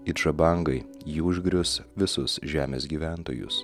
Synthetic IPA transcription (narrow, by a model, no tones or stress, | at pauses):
ɪʒɐbɐˑŋɡɐɪ | jiʊʒʲɡɾʲʊsʋʲɪsʊsʒʲæːmʲḛːsɡʲiːʋʲæˑnt̪o̰ːjʊ̰s